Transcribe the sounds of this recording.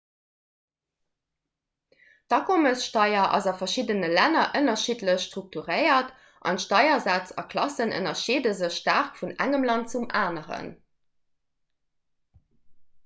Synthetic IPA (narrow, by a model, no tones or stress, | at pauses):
dɑkʰoməsʃtɑɪɐʔɑ̰zɑfɐʃidənəlænɐʔənɐʃitləɕʃtʁuk̚tuʁəɪɐt | ʔɑ̰ntʃtɑɪɐzæt͡sɑ̰kʰlɑsənə̰nɐʃiːdəzəɕʃtaʁkfunæ̰ŋəmlɑntt͡sumaːnəʁə̰n